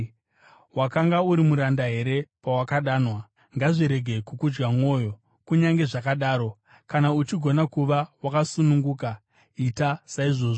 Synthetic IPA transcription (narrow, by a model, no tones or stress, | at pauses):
wakaŋɡauɾimuɾandaɦe̞ɾe̞pawakaɗaːnwa | ŋɡaʐiɾe̞ɡʱe̞kukud͡ʒɡamwo̞ːjo̞ | kuɲaŋɡe̞ʐakaɗaːɾo̞ | kanaut͡ʃiɡʱo̞nakuʋawakasunuŋɡuːka | itasaiʐo̞ːʐo